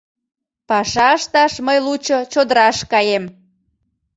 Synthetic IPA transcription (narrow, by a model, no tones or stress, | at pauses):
pɑʃɑəʃt̪ɑʃməjlut͡ɕot͡ɕod̪əɾɑʃkɑjem